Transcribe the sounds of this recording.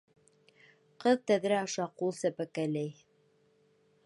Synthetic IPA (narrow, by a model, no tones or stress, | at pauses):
qɤðt̪æðɾæɑʃɑqulˠsæpækælæj